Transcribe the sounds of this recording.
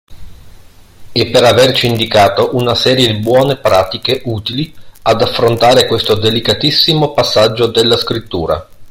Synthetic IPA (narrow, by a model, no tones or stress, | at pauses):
ɛpːeɾavert͡ʃiːnd̪ikaːt̪oʔunasɛːɾjed̪ibwɔːnepɾaːt̪ikeʔuːt̪iliad̪afːɾont̪aːɾekwest̪od̪elikat̪isːimopasːad͡ʒːod̪elːaskɾit̪ːuːɾa̰